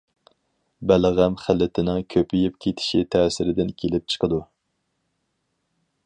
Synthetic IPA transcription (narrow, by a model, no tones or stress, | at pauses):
bælʁæmχælːɪt̪ʰɪnɪŋkʲʰøpʰijɪp̚kʲʰet̪ʰɪ̥ʃit̪ʰɛːsɪɾɪd̪ɪnkʲʰelɪp̚t͡ʃʰə̥qʰəd̪u